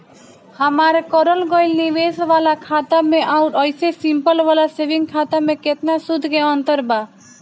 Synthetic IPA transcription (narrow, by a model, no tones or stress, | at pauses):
həmaɾekɔɾəlɡɔjlniʋesʋalakʰat̪amẽʔauʈɔjsesimpəlʋalaseʋiŋɡkʰat̪amẽket̪nasud̪ʱkeɔnt̪əɾba